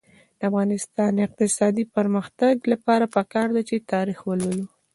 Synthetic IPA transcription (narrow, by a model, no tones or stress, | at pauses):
d̪̥əafɣɑnɪst̪ɑnɪq̚t̪ɪsɑd̪ipəɾməxt̪aɡlapɑɾapəkɑɾd̪at͡ʃet̪ɑɾixwəlwəlu